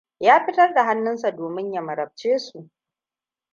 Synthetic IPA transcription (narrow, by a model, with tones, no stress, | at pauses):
jaː˦ɸɪ˦tɐ˦rda˨ɦa˦nːʊ˦nsa˨doː˨mɪ˦ɲja˨mɐ˨ɾɐ˨b̚t͡ʃeː˦su˨ʔ